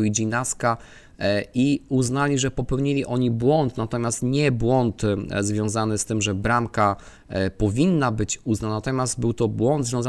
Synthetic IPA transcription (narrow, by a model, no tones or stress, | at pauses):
id͡ʑinaska | iuznalʲiʐɛpɔpɛwɲilʲiʔɔɲibwɔnt̪nat̪ɔmʲjast̪ɲɛbwɔnt̪zvʲjɔ̃w̃zanɘst̪ɘmʐɛbɾamka | pɔvʲinːabɘt͡ɕuznanat̪ɔmʲjazd̪̚bɘwt̪ɔbwɔnd̪zvʲjɔ̃z